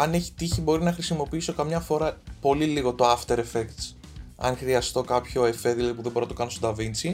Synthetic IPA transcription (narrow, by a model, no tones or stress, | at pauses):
ɐne̞çi̥t̪içibo̞ɾinɐxɾisimo̞piiso̞kɐmɲɐfo̞ɾɐpo̞liliɣo̞t̪o̞ɐft̪eɾefekt̪s | ɐ̰nxɾiɐst̪o̞kɐpço̞e̞fe̞ðilɐðipuðebo̞ɾnɐt̪kɐnost̪od̪ɐvint͡si